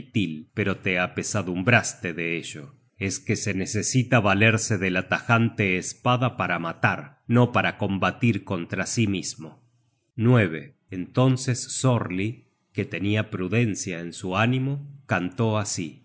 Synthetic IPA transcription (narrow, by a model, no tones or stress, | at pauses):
t̪ilpe̞ɾo̞t̪eapesaðumbɾast̪eðeeʒo̰ | e̞skese̞ne̞sesit̪aβaleɾseðelat̪axant̪eːspaðapaɾamat̪aɾ | no̞paɾako̞mbat̪iɾko̞nt̪ɾasimizmo | nwe̞β̞eː | nt̪o̞nse̞sːoɾli | ket̪e̞niapɾuðe̞nsjaensuanĩmo̞kant̪o̞asi